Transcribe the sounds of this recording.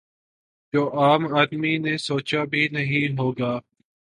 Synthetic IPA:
d͡ʒoːʔaːmaːd̪miːnẽːsoːt͡ʃaːbʱiːnəɦĩːɦoːɡaː

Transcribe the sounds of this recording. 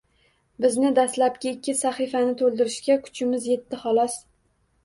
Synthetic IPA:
bɪznɪd̪aslap̚kʲaɪkʲːɪsaχifanɪt̪ʰolˠd̪ɪɾɪʃkʲakʰʊ̥t͡ʃʰɪmɪzje̞t̪ʰːɪχɒlˠɒs

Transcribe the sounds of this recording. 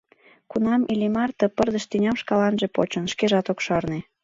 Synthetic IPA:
kunɑmʔilimɑrt̪ɤpərd̪ə̆ʃt̪ynʲɑmʃkɑlɑnʒepo̰t͡ɕənʃkeʒɑt̪okʃɑrne

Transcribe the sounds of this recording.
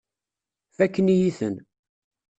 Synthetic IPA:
fækːənijiθə̰n

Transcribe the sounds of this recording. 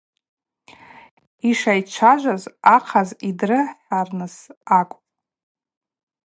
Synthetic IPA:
iʂajt͡ʃʷʰaʒʷazaqʰazidrɨħarnɨsakʷʼpʼ

